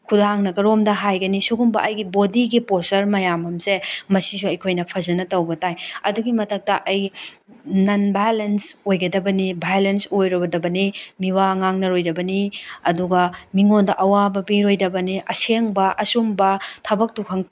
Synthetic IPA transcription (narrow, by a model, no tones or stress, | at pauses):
kʰudaŋnɐɡɐɾomdɐɦajɡɐnisuɡumbɐʔɐjɡibodiɡiposɐɾmɐjamɐmsemɐsis̬uɐjkʰojnɐpʰɐzɐnɐtɐwbɐtajɐduɡimɐtɐk̚tɐʔɐj | nɐnbajlensojɡɐdɐbɐnibajlensojɾɐbɐdɐbɐnimiwaŋaŋnɐɾojdɐbɐniɐduɡɐmiŋondɐʔɐwabɐbiɾojdɐbɐniʔɐseŋbɐʔɐsumbɐtʰɐbɐk̚tukʰɐŋ